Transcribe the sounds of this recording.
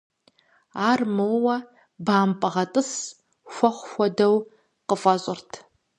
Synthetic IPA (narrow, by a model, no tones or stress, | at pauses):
aːrmɨwwɐ | baːmpʼɨʁɐtʼɨs | xʷɔχʷxʷɔdɐw | qəfʼɐɕʼɪrtʰ